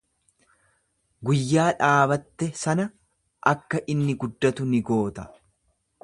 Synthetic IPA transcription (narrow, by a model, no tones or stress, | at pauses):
ɡʊjːaːᶑaːbɐt̪ːɛsɐnɐ | ʔɐkːɐʔɪnːɪɡʊd̪ːɐt̪ʊnɪɡo̞ːt̪ɐ̥